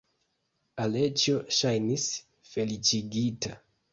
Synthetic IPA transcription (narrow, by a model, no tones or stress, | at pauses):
ale̞t͡ʃoʃajnis | fe̞lit͡ʃiɡita̰